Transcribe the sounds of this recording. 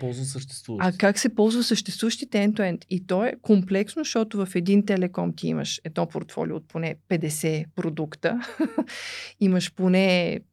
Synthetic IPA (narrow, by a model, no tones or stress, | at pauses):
pɔlˠzvəsəʃt̪ɛ̥st̪vuvakaksɛpɔlˠzvəsəʃt̪ɛst̪vuvəʃt̪it̪ɛɛnt̪uɛnt̪it̪ɔɛkomplɛksnoʃt̪ɔt̪ʊvɐfɛd̪int̪ɛlɛkɔmt̪iḭmə̰ʃɛd̪nɔpo̰ɾt̪fɔ̰lʲḭo̰ːt̪̚ponɛpɛd̪ɛsɛpɾod̪ukt̪ə | iməʃponɛ